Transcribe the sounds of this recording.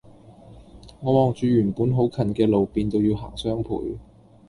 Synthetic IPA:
ŋɔː˨˧mɔː˨ŋt͡ʃyː˨˧jyː˨˩npuː˨˥nɦo˨˥wkʰɐ˨˩nkɛː˧lo˨wpiː˨˧nt̪o˧wjiː˧wɦa̰ː˨˩ŋsœː˥ŋpʰṵː˨˩j

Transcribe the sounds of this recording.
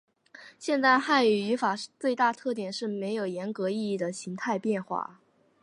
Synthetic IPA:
ɕjɛ˥˧nt͡sa˥˧ɪxa˥˩ny˨˩y˧˥fa˨˩˥t͡swe˥˧ɪt̪a˥˧t̪ʰɤ˥˩t̪jɛ˨˩nʂɻ̩˥˩me˧˥ɪjo˨˩ʊjɛ˧˥nkɤ˧˥i˥˧i˥˩d̪ə˩ɕi˧˥ŋt̪ʰa˥˧ɪpjɛ˥˧nxwa̰˥˩

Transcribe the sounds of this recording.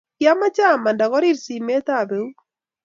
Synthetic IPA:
kja˦ma˦t͡ʃa˦˨ma˨nda˨ɣɔ˦ɾi˦˨ɾsi˨me˦t̪a˨be˨u˦

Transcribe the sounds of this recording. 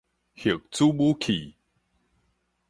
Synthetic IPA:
hi˨˩ək̚t͡su˦bu˦kʰi˨˩˨

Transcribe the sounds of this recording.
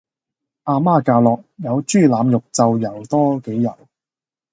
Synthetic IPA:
ʔaː˧maː˥kaː˧wlɔː˨k̚jɐ˨˧wt͡ʃyː˥˩laː˨˧mjʊ˨k̚t͡sɐ˨wjɐ˨˩wt̪ɔː˥ke˨˥jːɐ̰˨˩w

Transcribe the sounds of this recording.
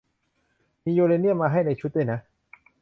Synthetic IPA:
miː˧joː˧le˧nːi˥˩əmaː˧ɦa˥˩jna˧jt͡ɕʰu˦˥t̪̚aː˥˩jna˦˥ʔ

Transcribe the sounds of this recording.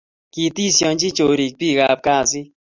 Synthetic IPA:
ki˨ti˦˨sjɔ˧n˦t͡ʃi˦t͡ʃo˨ɾi˨k̚pi˦˨ɣa˧˨p̚ka˦˨si˦

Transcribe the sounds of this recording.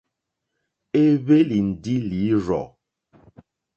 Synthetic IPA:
e˦βe˦li˨n̩˨di˦li˨˦ɾɔ̰˨

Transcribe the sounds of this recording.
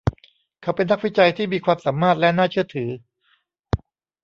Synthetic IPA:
kʰa˦˥wpe˧nːa˦˥k̚wi˦˥t͡ɕa˧jt̪ʰiː˥˩miː˧kʰwaː˧msa˩˦mːaː˥˩t̪̚lɛ˦˥naː˥˩t͡ɕʰɯ˥˩ət̪ʰɯː˩˦

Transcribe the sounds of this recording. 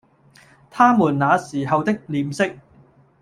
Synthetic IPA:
t̪ʰaː˥muː˨˩nnaː˨˧siː˨˩ɦɐ˨wt̪ɪ˥k̚liː˨msɪ˥k̚

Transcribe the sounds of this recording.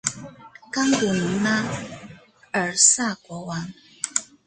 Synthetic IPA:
ka˥ŋt̪u˨˩ni˨˦ma˦ | ə˨sa˥˩˨kwɔ˧˥˦wa˨˦ŋ

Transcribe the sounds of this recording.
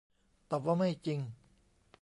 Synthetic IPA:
t̪a˨˩p̚waː˥˩ma˥˩jt͡ɕi˧ŋ

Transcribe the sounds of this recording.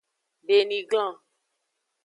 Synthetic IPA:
be˨nĩ˨ɡlã˦˨

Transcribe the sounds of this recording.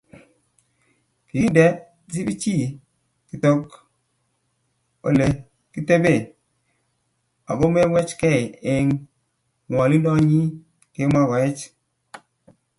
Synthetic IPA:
pi˨i˦ndɛ˨ | si˦bi˦t͡ʃi˦˨ | ki˨to˦k | o̰˨le˨ | ki˦te˦be˦˨ | a̰˨ɡo˦mɛ˦mwɛ˦t͡ʃkɛ˦˨e˦ŋ | ŋwɔ˨li˦ndɔ˦ɲi˦ | ke˦ma˦ɡɔ˨ɛ˦t͡ʃ

